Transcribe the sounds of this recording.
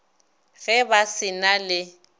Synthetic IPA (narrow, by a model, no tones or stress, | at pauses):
ɣɛbasɪnalɪ